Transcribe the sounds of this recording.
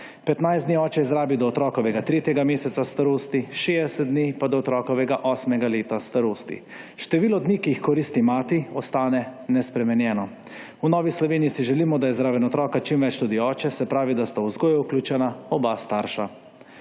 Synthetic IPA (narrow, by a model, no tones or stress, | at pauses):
pɛt̪najzd̪niɔːt͡ʃɛjɛzɾaːbid̪ɔːt̪ɾɔːkɔʋɛɡat̪ɾeːt̪jɛɡameːsɛt̪sast̪aɾoːst̪iʃeːd̪ɛsɛt̪̚d̪nipad̪ɔːt̪ɾɔːkɔʋɛɡaʔɔːsmɛɡaleːt̪ast̪aɾoːst̪ḭ | ʃt̪ɛʋiːlɔd̪nikiixkɔɾiːst̪imaːt̪iɔst̪aːnɛnɛspɾɛmɛnjɛːnɔ | unɔːʋislɔʋeːniisiʒɛliːmɔd̪ajɛzɾaːbɛnɔt̪ɾɔːkat͡ʃimʋɛt͡ʃt̪ud̪iɔːt͡ʃɛsɛpɾaːʋid̪ast̪awzɡoːjuuklʲuːt͡ʃɛnaɔbast̪aːɾʃa